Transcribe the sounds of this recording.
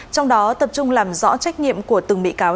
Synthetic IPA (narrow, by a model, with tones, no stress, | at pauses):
t͡ɕɔ˧wŋ͡mɗɔ˨˦t̪ə˨˩p̚t͡ɕʊ˧ŋ͡mlaː˨˩mzɔ̰˧˥t͡ɕa˦˥jk̟̚ɲḭ˧˨əmku˧˩ət̪ɨ˨˩ŋɓḭ˧˨kaː˨˦